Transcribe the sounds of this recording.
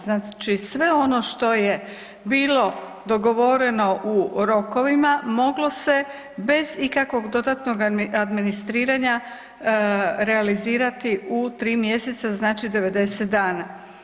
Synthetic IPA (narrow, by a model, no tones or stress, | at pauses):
znaːt͡ʃisʋe̞o̞no̞ʃt̪o̞je̞ | biːlo̞ | d̪o̞ɡo̞ʋo̞ɾeno̞ʔuɾo̞ko̞ʋimamo̞ɡlo̞se̞ | be̞zikakʋo̞ɡd̪o̞d̪at̪no̞ɡad̪minist̪ɾiːɾaɲa | ɾe̞aliziːɾat̪iʔut̪ɾiːmje̞se̞t̪saznaːt͡ʃid̪e̞ʋe̞d̪e̞set̪̚d̪aːna